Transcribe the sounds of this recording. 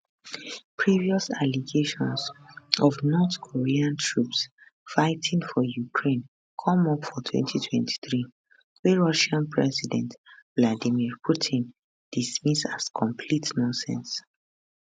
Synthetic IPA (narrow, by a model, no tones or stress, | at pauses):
pʰɹiviɔsaliɡeʃɔ̃nsɔvnɔtkʰoɹiãntʰɹups | faɪtʰĩŋfɔjukʰɹẽn | kʰɔ̃mɔpfɔtʰwɛ̰̃ntʰitʰwɛ̃ntʰi̥θɹi | wɛɹɔʃãnpʰɹɛsidɛ̃ntvladimiɹpʰutʰĩn | d̥ismisaskʰɔ̃mpʰlitnɔ̃nsɛ̰̃ns